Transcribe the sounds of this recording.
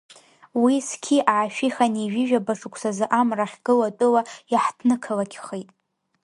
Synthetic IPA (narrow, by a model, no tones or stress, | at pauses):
wiskʲʰiʔaʕaʃᶣiχaniʒᶣɪʒᶣabaʂukʷʰsazɨʔamraχʲɡ̥ɨlatʼɨwajaħdʰnɨkʰalakʲʰχejtʼ